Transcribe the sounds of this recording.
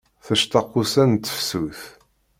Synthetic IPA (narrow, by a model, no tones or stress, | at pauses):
θəʃt̪ɑqːusænt̪ːə̥fsuθ